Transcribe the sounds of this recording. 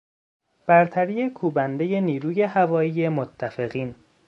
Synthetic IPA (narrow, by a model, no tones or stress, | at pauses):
b̥æɾt̪ʰæɾiːjekʰuːbænd̪e̞je̞niːɾuːje̞hævɒːjiːje̞mot̪ʰːæfe̞ɣiːn